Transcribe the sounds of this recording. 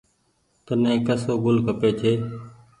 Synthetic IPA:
t̪ənẽːkəsoːɡʊlkəpeːt͡ʃʰeː

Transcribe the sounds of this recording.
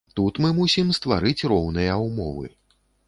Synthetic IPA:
t̪ut̪mɨmusʲimst̪va̰ɾɨt͡sʲrɔwnɨjɐwmɔvɨ̰

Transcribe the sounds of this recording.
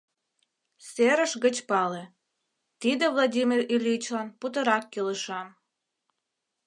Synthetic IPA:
seɾəʃɡə̆t͡ɕpɑle | t̪id̪ĕvlˠadʲimʲirilʲit͡ɕlˠɑnput̪ə̆ɾɑkːiləʃɑm

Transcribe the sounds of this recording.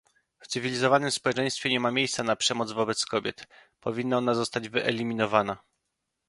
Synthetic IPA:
ft̪sɘvʲilʲizɔvanɘmspɔwɛt͡ʂɛ̃j̃st̪fʲjɛɲɛmamʲjejst̪sanapʂɛmɔd̪zvɔbɛt̪skɔbʲjɛt̪pɔvʲinːaɔnazɔst̪ad͡ʑvɘʔɛlʲimʲinɔvana

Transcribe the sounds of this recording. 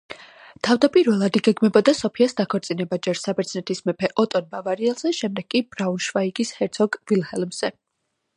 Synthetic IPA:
t̪ʰavd̪apʼiɾvɛlˠad̪iɡɛɡmɛbɔd̪asɔpʰiasd̪akʰɔɾt̪sʼinɛbad͡ʒɛɾsabɛɾt̪sʰnɛt̪ʰismɛpʰɛʔɔt̪ʼɔnbavaɾiɛlˠz̥ɛʃɛmd̪ɛɡ̥kʼibɾaunʃvaiɡishɛɾt̪sʰɔɡvilˠhɛlˠmz̥ɛ

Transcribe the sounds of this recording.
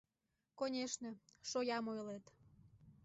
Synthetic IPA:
konʲeʃnə̆ʃojɑmojlet̪

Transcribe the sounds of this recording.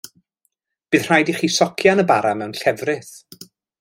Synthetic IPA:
b̥ɨːð̥r̥ajdiχiːsɔkʰjanəbaɾamɛwnɬɛvrɪθ

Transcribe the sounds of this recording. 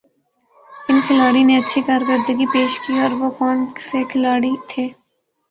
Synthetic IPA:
ɪnkʰɪlaːɽineɐtːʃʰikaːɾɡəɾd̪əɡipeːʃkiɔːɾʋokɔːnsekʰɪlaːɽit̪ʰeː

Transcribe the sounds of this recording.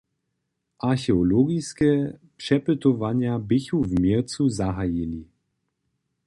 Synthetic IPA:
ʔaɾxɛɔlɔɡʲiskʲɛpʂɛpɘt̪ɔvaɲabɪçuvmʲjɛɾt̪suzaɦajilʲi

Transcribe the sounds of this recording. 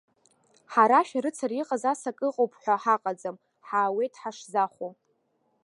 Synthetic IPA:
ħaɾaʃᶣaɾɨt͡sʰariqʼazasakʼɨqʼowpʰʼħʷaħaqʼad͡zam | ħaːwe̞jtʰʼħaʂzaχʷo

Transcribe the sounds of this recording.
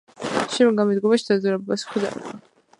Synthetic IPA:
ʃɛmɡamɛd̪ɡɔmaʃid̪azɛɾɛbbasχʰd̪ɛ̰ɾɛ̰ba

